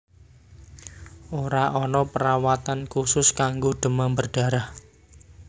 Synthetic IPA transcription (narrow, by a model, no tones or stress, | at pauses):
ʔoɾaʔɔnɔpəɾawat̪ankusʊskaŋɡoɖ̪̥ə̤mambərɖ̥a̤ɾah